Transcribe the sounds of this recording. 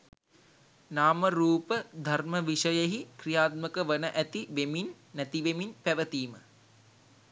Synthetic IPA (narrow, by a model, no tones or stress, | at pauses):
naːməɾuːpəd̪ʱɐrməʋiʂəjəɦikrijaːt̪̚məkəʋənəʔæt̪iʋeminː | æt̪iʋeminpæʋət̪iːmə